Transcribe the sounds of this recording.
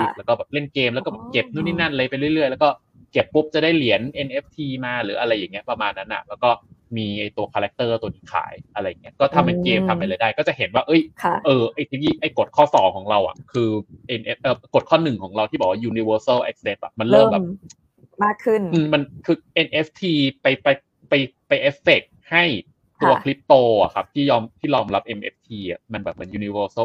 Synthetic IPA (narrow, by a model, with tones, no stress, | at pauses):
i˥˩lɛ˦˥wkɔː˥˩bɛː˨˩p̚le˥˩nkeː˧mlɛː˦wkɔː˥˩bɛː˨˩ke˨˩p̚nu˥˩˨niː˥˩na˥˩nla˧jpa˧jlɯ˥˩jɾɯ˥˩əlɛ˦˥wkɔː˥˩ | ke˨˩pːu˦˥p̚t͡ɕa˨˩daː˥˩jli˨˩˦ənʔe˧nʔe˦˥p̚t̪ʰiː˧maː˧ɾɯː˩˦ʔa˧ɾa˧jːa˨˩ŋːi˦˥ɐ˩pɾa˧maː˧nːa˦˥nʔa̰˨˩lɛː˦˥wkɔː˥˩miː˧ʔa˧jt̪u˧ɐkʰaː˧ɾɛ˦˥k̚t̪ɤː˥˩t̪u˧ənʰiː˦˥˩kʰa̰ː˩˦jʔa˧ɾa˧jːa˨˩ŋːi˦˥ɐ˧kɔː˥˩t̪ʰa˧mːa˧nkeː˧mt̪ʰa˧mpa˧jla˧jdaː˥˩jkɔː˥˩t͡ɕa˨˩ɦe˩˦nwaː˥˩ʔɤ˦˥˩jkʰa˧˩ʔɤː˧˩ʔa˥˩jt̪ʰiː˧wiː˧˥˩ʔa˧˥˩jko˨˩t̪̚kʰɔː˥˩sɔː˩˦ŋkʰɔː˩˦ŋɾa˧wʔa̰˨˩kʰɯː˧ʔe˧nʔe˦˥ʔɤː˧˩ko˨˩t̪̚kʰɔː˥˩nːɯ˨˩ŋkʰɔː˩˦ŋɾa˧wt̪ʰiː˥˩ɔ˨˩waː˥˩juː˧ni˧wɤː˧˥sə˥˩wʔɛ˦˥k̚se˦˥t̚a̰˨˩p̚ma˧nlɤː˥˩m˧bɛː˨˩ | maː˥˩kʰːɯ˥˩nʔɯː˧ma˧nkʰɯː˧ʔe˧nʔe˦˥p̚ʰt̪ʰiː˧pa˧jpa˧j | pa˧jpa˧jʔe˦˥fe˨˩k̚ha˥˩j | t̪ʰu˧ɐkʰli˦˥p̚t̪oː˧a̰˨˩kʰa˦˥p̚t̪ʰiː˥˩jɔː˧mt̪ʰiː˥˩jɔː˧mɾa˦˥p̚ʔe˧mʔḛ˦˥p̚t̪ʰiː˧ʔa˨˩ma˧nbɛː˨˩p̚ːɯː˩˦njuː˧ni˧wɤː˧˥sə˥˩